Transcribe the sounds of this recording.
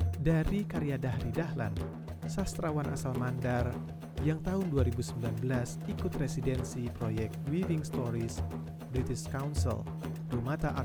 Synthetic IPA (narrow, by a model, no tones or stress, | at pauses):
daɾikaɾiadahɾidahla̰n | sast̪ɾawanʔa̰salmandar | jaŋt̪aɦʊnduaɾibusəmbilanbəlas | ikʊt̪residɛnsipɾojɛk̚t̪wivɪŋst̪oɾis | bɾit̪iʃkawnsḭl | d̥omat̪aʔa